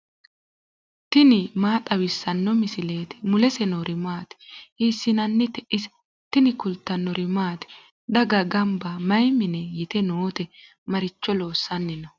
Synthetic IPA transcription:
t̪ɪnɪmaːt̪ʼɐwɪsːɐnːɔmɪsɪleːt̪ɪ̥mʊlɛsɛnoɾɪmaːt̪ɪ̥hiːsːɪnɐnːɪt̪ɛʔɪs | t̪ɪnɪkʊlt̪ːɐnːɔɾɪmaːt̪ɪ̥ | d̪ɐɡɐɡɐmbɐmɐjmɪnɛjɪt̪ɛnoːt̪ɛ | mɐɾɪt͡ʃːɔlo̞ːsːɐnːɪnɔ

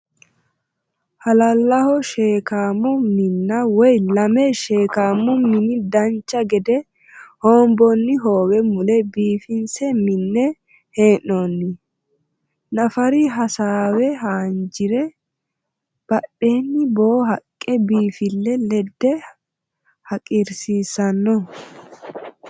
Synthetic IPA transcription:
hɐlɐlːɐhɔʃeːkaːmːɔmɪnːɐwɔjlɐmɛʃe̞ːkaːmːɔmɪnɪd̪ɐnt͡ʃːɐɡɛd̪ɛ | hoːmbɔnːɪɦo̞ːwɛmʊlɛbiːfɪnsɛmɪnːɛ | he̞ːnːonːɪ | nɐfɐɾɪɦɐsaːwɛɦaːnd͡ʒɪɾɛ | b̥ɐɗːeːnːɪboːɦɐkʼːɛbiːfɪlːɛlɛd̪ːɛ | hɐkʼiɾsiːsɐnːɔ

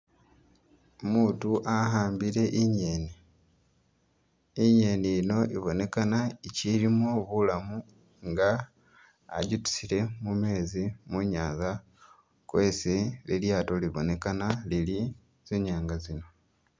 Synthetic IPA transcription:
omuːtuʔaɦaːmbiɾe̞ʔiɲeːni | ɲe̞ːniino̞ʔiβo̞ne̞kanaiciɾimo̞βulamu | ŋɡa̰ː | ɟutu̥siɾe̞mume̞ːzimuɲaːnza | kwe̞seliljaːto̞liβo̞ne̞kanalili | z̥eːɲaːŋɡazino̞

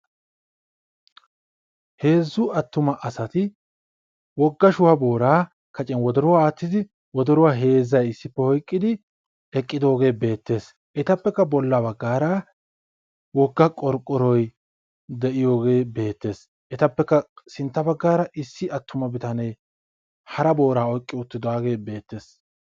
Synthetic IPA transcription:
he̞ːzːʊɐt̪ːʊmɐʔɐsɐt̪ɪ | wɔɡːɐʃʊwabo̞ːɾaː | kɐt͡ʃʼɛnwɔd̪ɔɾʊwaaːt̪ːɪd̪ɪ | wɔd̪ɔɾʊwaːɦe̞ːzːɐjɪsːɪpːɛhɔjkʼːɪd̪ɪ | ɛkʼːɪd̪o̞ːɡe̞ːbe̞ːt̪ːe̞ːs | ʔɛt̪ɐpːɛkːɐbɔlːabɐɡːaːɾa | wɔɡːɐkʼɔɾkʼːɔɾɔj | d̪ɛʔɪjo̞ːɡe̞ːbe̞ːt̪ːe̞ːs | ʔɛt̪ɐpːɛkːɐsɪnt̪ːɐbɐɡːaːɾɐʔɪsːɪʔɐt̪ʰːʊmɐbɪt̪ɐnɛj | hɐɾɐbo̞ːɾaːɔjkʼːɪʊt̪ːɪd̪ʊaːɡe̞ːbe̞ːt̪ːe̞ːs

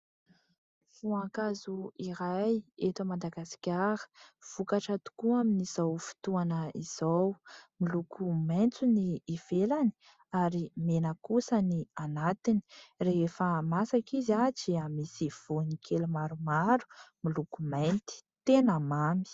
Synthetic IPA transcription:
v̥uaŋkazuiɾajet̪amad̪aɡasi̥kʲaɾə̥v̥ukaʈ͡ʂat̪u̥kuaminiz̥awfi̥t̪uanəiz̥awmilukʰumajnt͡suniːv̥elani̥ | aɾimenəkusənianat̪ini̥reefəmasakizat͡siamisiv̥unikʰelumaɾumaɾu̥milukumejnt̪i̥t̪enamami̥

